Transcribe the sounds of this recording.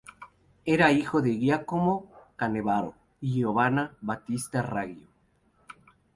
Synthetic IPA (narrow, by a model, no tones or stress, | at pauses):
eɾaixoðeɣjakomokaneβaɾo̰ | iʝoβanaβat̪ist̪araɣjo